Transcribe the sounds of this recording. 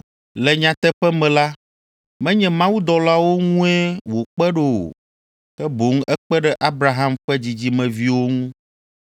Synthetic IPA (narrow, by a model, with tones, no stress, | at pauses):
lɛ˨ɲã˨t̪ɛ˦ɸɛ˦mɛ̃˨la˦ | mɛ̃˦ɲɛ̃˨mã˦wu˦d̪ɔ˨la˦wo˦ŋũ˦ɛ˦wo˨k͡pɛ˦ɖe˨o̰˨ | kɛ˦bo˨˦ŋ˦ɛ˦k͡pɛ˦ɖɛ˦ʔa˦bɾa˨ɦã˦mɸɛ˦d͡ʑi˨d͡ʑi˦mɛ̃˨vi˦wo˦ŋũ˦